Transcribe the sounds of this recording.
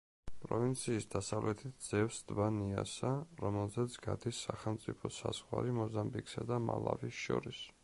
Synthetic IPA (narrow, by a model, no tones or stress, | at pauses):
pʼɾɔvint̪sʰiːsd̪asavlɛt̪ʰit̪̚ʰd̪z̥ɛvsd̪baniasaɾɔmɛlˠzɛt̪sʰɡad̪isːaχɛlˠmt̪sʼipʰɔsaz̥ʁwaɾimɔzambiksad̪ama̰lˠa̰visʃɔ̰ɾis